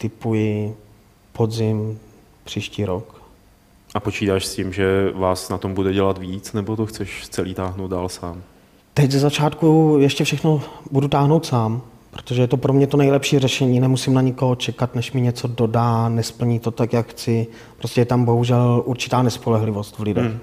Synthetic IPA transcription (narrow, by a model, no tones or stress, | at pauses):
t̪ɪpujɪ | po̞d̪zɪm | pr̥iːʃciːɾok | ʔapo̞t͡ʃiːt̪aːʃscimʒɛvaːsnat̪ombudɛɟɛlat̪viːt͡snɛbot̪oxt͡sɛʃt͡sɛliːt̪aːɦnowt̪daːlsaːm | t̪ɛczɛzat͡ʃaːt̪kujɛʃcɛfʃɛxnobudut̪aːɦnowt̪saːm | pɾo̥t̪o̞ʒɛjɛt̪opɾo̞mɲɛt̪onɛjlɛpʃiːrɛʃɛɲiːnɛmusɪmnaɲɪko̞ɦot͡ʃɛkat̪nɛʃmɪɲɛt͡so̞do̞daːnɛspl̩ɲit̪o̞t̪akjakxt͡sɪ | pɾo̞scɛjɛt̪ambo̞ɦuʒɛlʔuɾt͡ʃɪ̥t̪aːnɛspolɛɦlɪvo̞st̪vlɪdɛx